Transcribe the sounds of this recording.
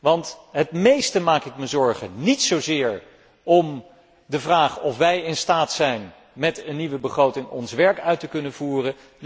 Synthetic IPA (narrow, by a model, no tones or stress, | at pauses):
ʋɑntɦətmejstəmaːkɪkməzɔɹχənitsowzɪːɹ | ʔɔm | dəvraːχɔfʋɛjɪnstaːtsɛjn | mɛtənːiʋəbəχrowtɪŋɔnsʋɛɹkœɥtəkɵnəvuːrə